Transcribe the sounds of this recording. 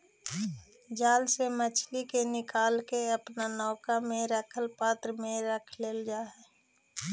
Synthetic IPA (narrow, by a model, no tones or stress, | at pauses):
d͡ʒaːlsemət͡ʃʰlikenɪkaːlkeəpnanɔːkamẽɾəkʰəlpaːt̪ɾəmẽɾəkʰleːld͡ʒaːɦɛː